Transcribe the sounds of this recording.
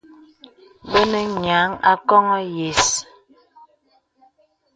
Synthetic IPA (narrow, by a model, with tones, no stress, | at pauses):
bə˦nə˦ɲa˨˦ŋa̰˦kɔ˦ŋɔ˦je˨s